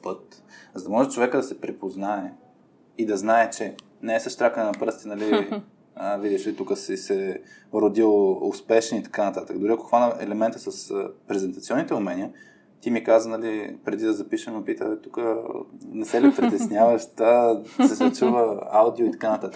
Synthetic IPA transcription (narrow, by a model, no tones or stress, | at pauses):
pɤt̪zɐd̪ɐmɔʒɛt͡ʃovɛkəd̪ɐsɛpɾɛpoznaɛ | id̪ɐznaɛt͡ʃɛ | nɛɛsɐʃt̪ɾʲakənɛnɐpɾɤst̪inɐli | əvid̪ɛʃlit̪ukəsɛsɛ | ɾod̪ilˠʊspɛʃɛnit̪ɐ̥kanɐt̪at̪əkd̪ʊɾiɐkoxvanəʔɛ̰lɛmɛnt̪əsɐspɾɛzɛnt̪ɐt̪siɔnːit̪ɛʊmɛniə | t̪imikazənɐlipɾɛd̪id̪ɐzɐpiʃəmɐpit̪ət̪ukənɛsɛlipɾit̪ɛsnjavəʃt̪asɛsɐt͡ʃuvəawd̪ioit̪ɐ̥kanɐt̪at̪ə̥kk